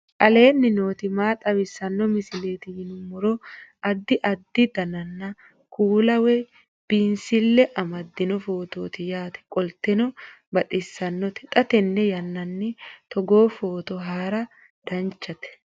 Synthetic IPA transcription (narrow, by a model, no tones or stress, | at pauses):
kɐle̞ːnːɪno̞ːt̪ɪmaːt̪ʼɐwɪsːɐnːɔmɪsɪleːt̪ɪhɪnʊmʊɾɔʔɐd̪ːɪʔɐd̪ːɪd̪ɐnɐnːɐ | kuːlɐwɛ | b̥insɪlːɛʔɐmɐd̪ːɪnɔfo̞ːt̪o̞ːt̪ɪjaːt̪ɛ̥kʼɔlt̪ɛnɔ | bɐt̪ʼɪsːɐnːɔt̪ɛ̥t̪ʼɐt̪ɛnːɛjɐnːɐnːɪt̪ɔɡo̞ːfo̞ːt̪ɔɦaːɾɐ | d̪̥ɐnt͡ʃːɐt̪ɛ̥